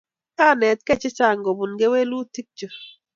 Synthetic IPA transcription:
ka˦˨nɛ˨t̪̚kɛ˦t͡ʃɪ˦t͡ʃa˦˨ŋɡo˨bu˨nɡe˦we˦lu˦ti˦k̚t͡ʃo˨

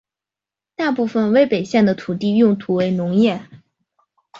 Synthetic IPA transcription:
t̪a˥˧pu˥˩fə˩nwe˧˥ɪpe˨˩ɪɕjɛ˥˩nd̪ə˩t̪ʰu˨˩t̪i˥˧jʊ˥˩ŋt̪ʰu˧˥we˧˥ɪnʊ˧˥ŋjɛ˥˩

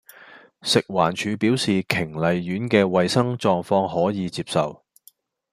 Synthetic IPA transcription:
sɪ˨k̚waː˨˩nt͡ʃʰyː˨˧piː˨˥wsiː˨kʰɪ˨˩ŋlɐ˨jɥyː˨˥nkɛː˧wɐ˨jsɐ˥ŋt͡ʃɔː˧ŋfɔː˧ŋhɔː˨˥jiː˨˧t͡siː˧p̚sɐ̰˨w

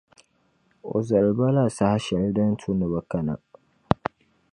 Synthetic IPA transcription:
ʔo̰˨zɐ˨lba˦la˦˨sa˨ha˦ʃa˨ɾi˦dɐ˦n˦tʰu˦nə˨ba˦kɐ˦na̰˨

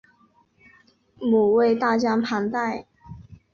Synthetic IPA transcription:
mu˨˩we˥˧ɪt̪a˥˨t͡ɕjɑ˥ŋpʰa˧˥ŋt̪a˥˩ɪ

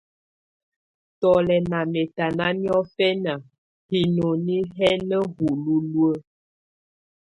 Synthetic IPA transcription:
tɔ˨lɛ˨na˨mɛ˨ta˨na˦mjɔ˦fɛ˦na˨ | hi˨no˨ni˦ɦɛ˦nə˦ɦu˨lu˦lwə˦

